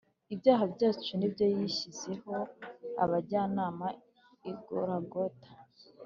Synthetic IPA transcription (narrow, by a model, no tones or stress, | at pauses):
ibjaːɦabɟaːt͡ʃunibɟo̞jiçize̞ho̞a̰βaɟanaːma | iɡoɾaɡotḁ